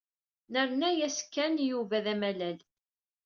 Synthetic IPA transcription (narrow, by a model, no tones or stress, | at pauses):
nəɾnæjæskːænjuvæðæmælæl